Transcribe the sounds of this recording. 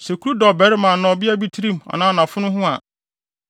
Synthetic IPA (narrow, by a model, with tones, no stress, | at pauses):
sɛ˨kʰu˦ɾu˦dɔ˨bɛ˨˦ɾɪ˦mãː˨nɔ̃˨bi˦a˦bi˦tʰi˦ɾi˦m˨a̰˨nãː˦˨nã˨fʊ˦nʊ̃˦ɦʊ̃˦a̰˨